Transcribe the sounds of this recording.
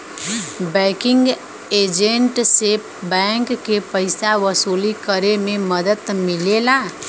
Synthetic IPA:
bɛ̃ːkɪ̃ŋɡ | eːd͡ʒẽɳʈse | bɛ̃ŋkːepəɪsaʋəsuːlikəɾemẽməd̪ət̪mɪlelaː

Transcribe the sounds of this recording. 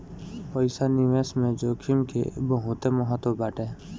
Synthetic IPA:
pəjsanɪʋesmẽd͡ʒoːkʰimkḛbəɦʊt̪eməɦət̪wobaːʈeː

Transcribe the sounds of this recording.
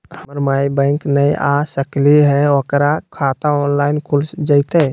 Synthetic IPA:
həməɾmajbə̃ɪŋknəjʔa̰səkliɦɛokɾakʰat̪aɔːnlaɪnkʰulsd͡ʒəɪt̪e

